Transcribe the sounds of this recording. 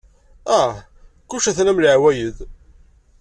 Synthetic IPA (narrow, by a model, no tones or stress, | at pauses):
æ | kuʃæθnæmliʕwæjəð